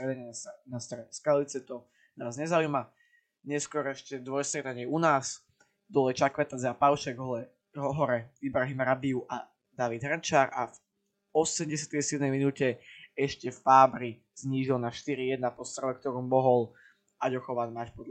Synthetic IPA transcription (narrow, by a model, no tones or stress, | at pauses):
ɾɛd̪aɲɛnast̪ɾɛɲɛskalit͡sɛt̪ɔ | naːzɲɛzaujma | ɲɛskɔɾɛʃcɛd̪ʋɔjst̪ɾɛt̪aɲɪɛunaːs | d̪ɔlɛt͡ʃakʋɛt̪ad͡zapaʊʃɛɡɦ | ɦɔɦɔɾɛibɾaɦimɾabiuʔa | d̪aʋid̪ɦɾnt͡ʃaːɾaf | ɔsɛmɟɛsɪat̪ɛjsɪɛd̪mɛjminuːcɛɛʃcɛffaːbɾi | z̥ɲiːʒilnaʃt̪iɾijɛd̪̚napɔst̪ɾɛʋɛk̚t̪ɔɾuːmmɔɦɔl | aɟɔxɔʋanmaːʃpɔd̪